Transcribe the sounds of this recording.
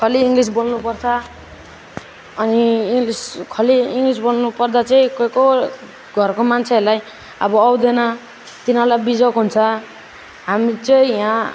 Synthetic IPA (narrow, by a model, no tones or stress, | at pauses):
kʰʌliːŋɡlisbolnupʌrt͡sʰʌ | niiŋɡliskʰʌliiŋɡlisbolnupʌrd̪at͡sʌĩkoko | ɡʱʌrkomant͡sʰelaj | ʌ̰bʌːwd̪enʌ | t̪inalabid͡zʌkɦunt͡sʰʌ | ɦamit͡sʌĩjã